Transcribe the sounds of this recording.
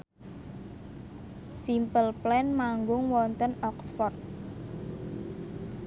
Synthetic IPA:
simpəlplɛnmaŋɡʊŋwɔnt̪ənɔksfɔrt̪̚

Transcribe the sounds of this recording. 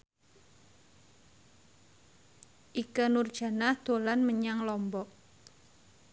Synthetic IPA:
ʔikənurd̥ʒ̥a̤nahd̪̥olanməɲaŋlɔmbɔʔ

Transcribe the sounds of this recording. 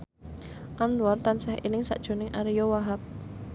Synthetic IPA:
ʔant̪uwart̪ansɛhʔḭnɪŋsa̰ʔd̥ʒ̥o̤nɪŋʔaɾijɔwaɦap̚

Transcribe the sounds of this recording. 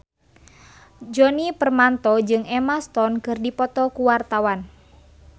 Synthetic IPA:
d͡ʒɔnipərmant̪ɔd͡ʒɨŋɛmast̪ɔnkɨrdipɔt̪ɔkuwart̪awan

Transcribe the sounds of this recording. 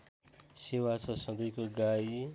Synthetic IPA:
sewasʰʌsʌbʌjkoɡai

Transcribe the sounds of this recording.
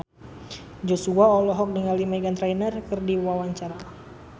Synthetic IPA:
d͡ʒosuaɔlɔɦɔk̚dəŋalimaɡant̪ɾajnərkɨrdiwawaɲt͡ʃaɾa

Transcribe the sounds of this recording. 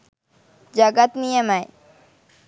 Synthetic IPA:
d͡ʒaɡat̪nijəmaj

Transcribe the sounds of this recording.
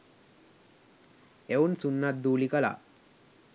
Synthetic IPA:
eunsunːat̪̚d̪uːlikəla̰

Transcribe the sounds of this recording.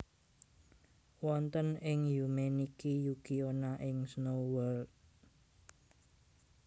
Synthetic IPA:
wɔnt̪ənɪŋjumenikijukionaʔɪŋsnowɔld̪̚

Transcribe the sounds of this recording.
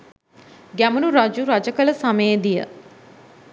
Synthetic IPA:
ɡaːmənũɾaːd͡ʒuːɾaːd͡ʒəkəlsamẽd̪ijə̰

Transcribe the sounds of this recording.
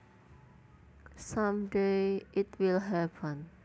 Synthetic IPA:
sãmdeʔitwilɦɛpə̃n

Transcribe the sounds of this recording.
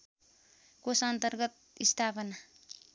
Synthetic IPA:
kosʌnt̪ʌrɡʌt̪̚ist̪ʰapʌna

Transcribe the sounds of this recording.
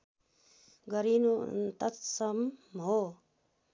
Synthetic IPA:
ɡʌɾinut̪ʌt̪sʌmɦo

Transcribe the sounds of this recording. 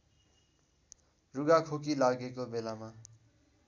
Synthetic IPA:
ruɡakʰokilaɡekobelama

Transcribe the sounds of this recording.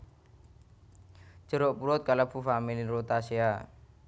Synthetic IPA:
d͡ʒ̥ə̤ɾoʔpuɾɔt̪̚kalabṳfamiliɾot̪asea

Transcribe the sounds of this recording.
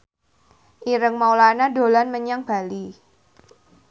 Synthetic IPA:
ʔiɾəŋmaulanadolanməɲaŋb̥a̤li

